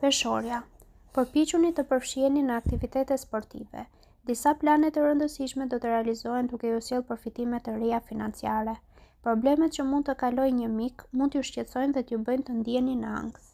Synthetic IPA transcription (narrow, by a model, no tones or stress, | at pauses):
pɛʃɔɾja | pəɾpit͡ʃunit̪əpəɾfʃiɛninəak̚t̪ivit̪ɛt̪ɛt̪spɔɾt̪ḭvɛ̰ | d̪isaplanɛt̪əɾənd̪əsiʃmɛd̪ɔt̪əɾɛalizɔɛnd̪ukɛusjɛlˠpəɾfit̪imɛt̪əɾɛjafinant͡siaɾɛ | pɾɔblɛmɛt̪̚t͡ɕəmund̪̚t̪əkalɔjɲəmikmundt̪əjuʃcɛt̪t͡sɔjnðɛt̪jubəjnt̪ənd̪iɛninəa̰ŋɡ